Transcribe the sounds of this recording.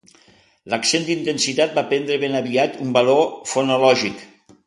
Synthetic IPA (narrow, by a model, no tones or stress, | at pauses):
ləksend̪int̪ensit̪at̪̚bapɛnd̪ɾəβenaβiat̪umbalofonolɔʒik